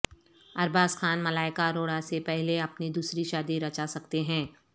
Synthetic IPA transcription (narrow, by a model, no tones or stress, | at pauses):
ɐɾbaːskʰaːnmɐlaːɪkaɾoːɽasepɛɦleɐpnid̪uːsɾiʃaːd̪iɾɐt͡ʃasɐkt̪eɦɛ̃ː